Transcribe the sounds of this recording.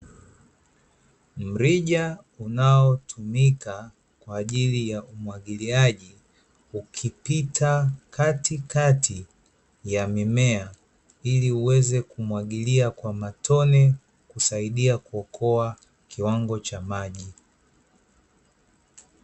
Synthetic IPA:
m̩ɾiʄa | unaɔtʰumika | kwaːʄilijaumwaɠiliaʄi | ukʰipitʰakʰatikatʰi | jamimɛa | iliuwɛzɛkumwaɠiliakwamatʰɔnɛ | kusaiɗiakuɔkʰɔa | kiwaŋɡɔt͡ʃamaʄi

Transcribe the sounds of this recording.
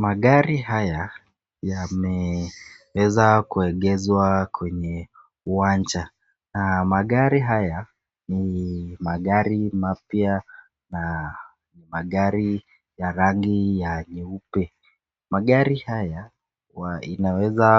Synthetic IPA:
maɠaɾiɦaja | jamɛ | wɛzakuɛɠɛzwakwɛɲɛ | uwand͡ʒa | namaɠaɾiɦaja | nimaɠaɾimapja | na | nimaɠaɾi | jaɾaŋɡijaɲiupɛ | maɠaɾihaja | waḭnawɛza

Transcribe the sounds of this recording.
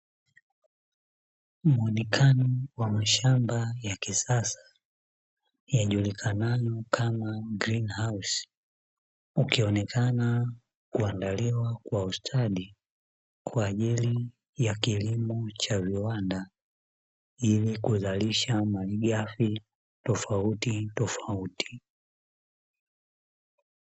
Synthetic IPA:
muɔnɛkʰanɔwamaʃambajakisasḁ | jaʄulikʰanajɔkʰamaɡɾinhaus | ukiɔnɛkʰana | kuandaliwakwaustʰaɗi | kʰwaːʄili | jakilimɔt͡ʃaviwanda | ilikuzaliʃamaliɡafi | tɔfautitɔfautʰi̥

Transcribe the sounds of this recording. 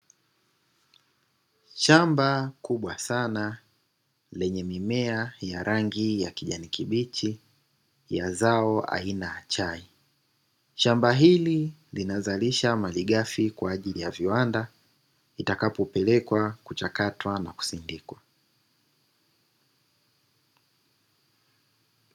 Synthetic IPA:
ʃambakuɓwasana | lɛɲɛmimɛajaɾʔaŋɡijakiʄanikiɓit͡ʃi | jazaɔa̰inaat͡ʃai | ʃambaɦililinazaliʃamaliɠafikwaːʄilijaviwanda | itakapɔpɛlɛkwakut͡ʃakatwanaku̥sindikwa

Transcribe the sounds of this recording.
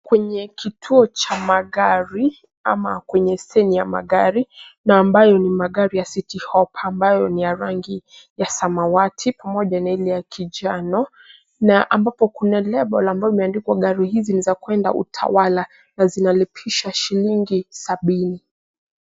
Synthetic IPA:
kwɛɲɛkitʰuɔt͡ʃamaɠaɾi | amakwɛɲɛsɛnijama̰ɠaɾinaːmbajɔnimaɠaɾijasitihɔpʰaːmbajɔnijaɾaŋɡi | jasamawatʰipamɔʄanailɛjakʰid͡ʒanɔ | naʔambapɔkunalɛɓɔlambaimɛandikwaɠaɾihizinizakwɛnda̰ʔṵtʰa̰wala | nazinalɛpʰiʃaʃiliŋɡisaɓini

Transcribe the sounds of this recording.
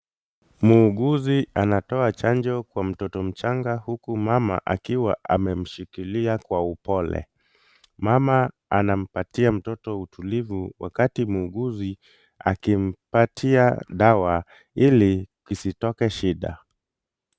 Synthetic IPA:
muːɠuzianatɔat͡ʃand͡ʒɔkwam̩tɔtɔm̩t͡ʃaŋɡahukumama̰ʔakiwaʔa̰mɛm̩ʃikiliakwaupɔlɛ̰ | mama | anam̩patiam̩tɔtɔutʰulivuwa̰katimuːɠuzi | a̰kim̩patʰiaɗawa | ilikisitɔkɛʃiɗa̰

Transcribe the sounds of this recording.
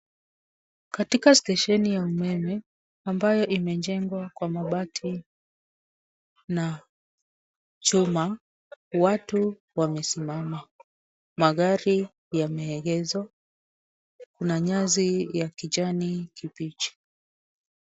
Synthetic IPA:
katikastɛʃɛnijaumɛmɛ | ambajɔʔimɛɲd͡ʒɛŋɡwakwamaɓatʰi | na | t͡ʃuma | watu | wamɛsimama | maɣaɾi | jamɛːɡɛzwa | kunaɲazijakiʄanikipit͡ʃi̥

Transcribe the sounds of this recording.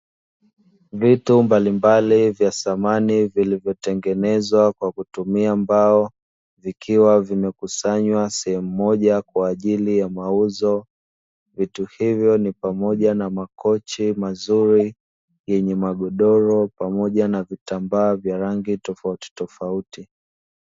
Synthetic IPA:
vitumbalimbalivjasamanivilivjɔtɛŋɡɛnɛzwakwakutumiambaɔ | vikiwavimɛkusaɲwasɛhɛmumɔʄakwaːʄilijamauzɔ | vituhivjɔnipamɔʄanamakɔt͡ʃimazuɾi | jɛɲɛmaɠɔɗɔɾɔpamɔʄanavitambaːvjaɾaŋɡitɔfauti̥tɔfauti

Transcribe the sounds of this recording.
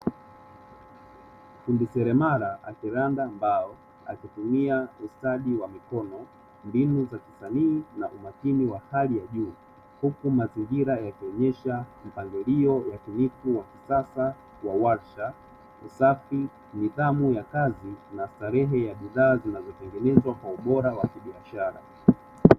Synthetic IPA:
fundisɛɾɛmaɾaʔakiɾandaːmbaɔ | a̰kitumiaustaɗiwamikɔnɔ | mbinuzaki̥saniːnaʔumakiniwahalijaʄuː | hukumaziŋɡiɾajakiɔɲɛʃam̩paŋɡiliɔjakunifuwakisasa | wawaɾʃa | usafi | miðamujakazinastaɾɛɦɛjaɓiðaːzinazɔtɛŋɡɛnɛzwakwauɓɔɾawakiɓiaʃaɾa̰

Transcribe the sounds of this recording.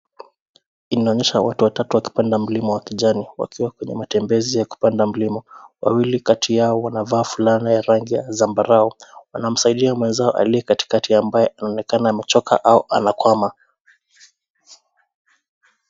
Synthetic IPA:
inaɔɲɛʃawa̰tuwatatuwaki̥pandam̩limɔwakiʄaniwa̰kiwakwɛɲɛ̰matɛmbɛzijaku̥pandam̩limɔwa̰wilikatʰijaɔwanavaːfulanijaɾaŋɡija̰zambaɾaɔwanam̩saiɗiamwɛnzaɔʔa̰liɛkati̥katiambajɛʔanaɔnɛkanaːmɛt͡ʃɔkʰa̰ʔaɔʔa̰nakwama

